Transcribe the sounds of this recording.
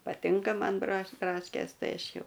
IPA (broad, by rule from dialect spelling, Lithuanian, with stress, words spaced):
pɐˈtʲɪŋkɐ ˈmɐn brɐʃ ˈbrɑːʃʲkʲeːs ˈtɐɪ ˈɐʃ ˈjɛʊ